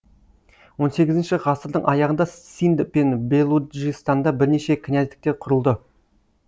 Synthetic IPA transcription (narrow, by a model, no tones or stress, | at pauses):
wo̞nse̞ɡʲɪzɪnʃɪʁɑsəɾd̪əɴʔɑjɑʁənd̪ɑsind̪penbe̞lˠuʒist̪ɑnd̪ɑbɪɾne̞ʃe̞kʲʰɪnæt̪ɪ̥k̚t̪e̞ɾqʰʊɾəlˠd̪ə